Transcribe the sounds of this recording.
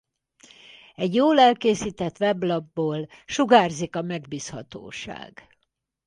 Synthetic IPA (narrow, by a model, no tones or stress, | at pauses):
ɛɟjoːlɛlkeːsiːt̪ɛt̪ʋɛblɒbːoːlʃuɡaːrzikɒmɛɡbiːshɒ̰t̪o̰ːʃa̰ːɡ̥